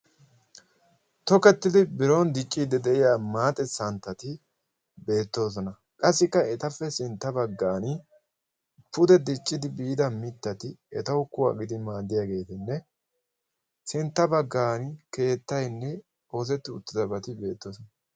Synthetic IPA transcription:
t̪ɔkɛt̪ːɪd̪ɪbɪɾo̞ːnd̪ɪt͡ʃʼːiːd̪ːɛd̪ɛʔɪjaːmaːt̪ʼɛsɐnt̪ːɐt̪ɪ | be̞ːt̪ːo̞ːs̬ɔnɐ | kʼɐsːɪkːɐɛt̪ɐfːɛsɪnt̪ːɐbɐɡːaːn | pʊd̪ɛd̪ɪt͡ʃʼːɪd̪ɪbiːd̪ɐmɪt̪ːɐt̪ɪɛt̪ɐwʊkːʊwa̰ːɡɪd̪ɪmaːd̪ːɪjaːɡe̞ːt̪ɪnːɛ | sɪnt̪ːɐbɐɡːaːnke̞ːt̪ːɐjnːɛ | o̞ːs̬ɛt̪ːɪʊt̪ːɪzɐbɐt̪ɪbe̞ːt̪ːo̞ːsɔnɐ

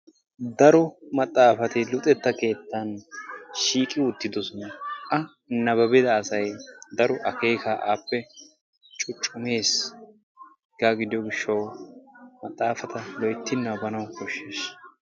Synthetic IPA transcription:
d̪ɐɾɔmɐt̪ʼːaːfɐt̪ɪlʊt̪ʼɛt̪ːɐke̞ːt̪ːɐnʃiːkʼɪʊt̪ːɪd̪ɔsɔnɐʔɐ | nɐβɐbɛd̪ɐːsɐjd̪ɐɾɔʔɐke̞ːkʰaːʔaːpːɛ | t͡ʃʼʊt͡ʃʼːʊme̞ːs | ɡaːɡɪd̪ɪjɔɡɪʃːɐw | mɐt̪ʼːaːfɐt̪ɐlɔjt̪ːɪnːɐwbɐnɐwkɔʃːeːʃ

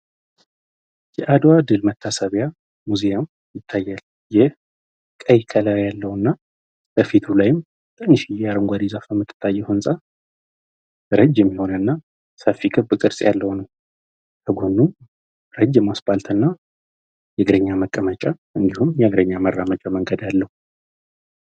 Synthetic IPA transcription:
jɛʔad̪wad̪ɨlmət̪ʰːasəβja | muzijam | jɪt̪ʰːajːal | jɪh | kʼəjkʰəlajalːəwɨnːa | bəfit̪ʰulajɪm | t̪ʰɨnːɨʃijaɾɨŋɡʷad̪izafəmːɨt̪ʰːɨ̥t̪ʰːajːɛhɨnsʼa | ɾəd͡ʒːɛmːiho̞nənːa | səfːikʼɨbɨkʼɨɾsʼjalːəhwnəw | t̪ʰəɡo̞nːu | ɾəd͡ʒːɛmːasbalt̪ʰɨnːa | jɛɡɾəɲːaməkʼːəmət͡ʃʼaʔɨnd̪ihumjɛaɡɾəɲːamərːamət͡ʃʼaməŋɡəd̪alːəhu

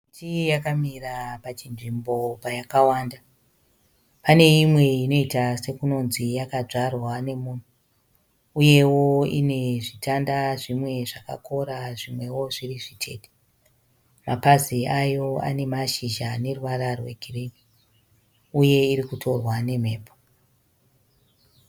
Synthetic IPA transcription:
it͡ʃijakamirapat͡ʃinʐimbo̞pajakawaːnda | pane̞imwe̞ino̞itase̞kuno̞nzijakad͡ʐarwane̞muːn̤u | uje̞wo̞ine̞ʐitʰandaʐimwe̞ʐaka̰ko̞ɾaʐimwe̞wo̞ʐiriʐitʰe̞̰ːte̥ | mapaziajo̞a̰ne̞maʃiʒane̞ruwaɾarwe̞̰ɡʱireki | uje̞iɾikutʰo̞rwane̞m̤e̞ːpo

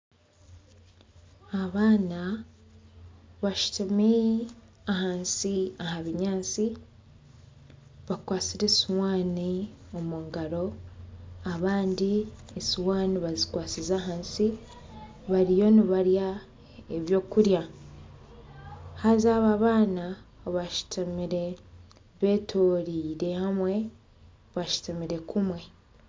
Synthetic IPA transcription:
aβaːna | βaʃu̥tumi | aɦaːnsiaɦaβiɲaːnsi | βakwaːt͡siɾe̞siwaːniomuːŋɡaɾo̞ | aβaːndiesiwaːniβazikwaːsizaɦaːnsi | βaɾijo̞niβaɾja | eβjo̞ːkuɾja | hazaβaβaːnaβaʃu̥tamiɾe̞ | βe̞ːtʰoɾiːɾe̞hamwe̞ | βaʃu̥temiɾe̞kumwe̞

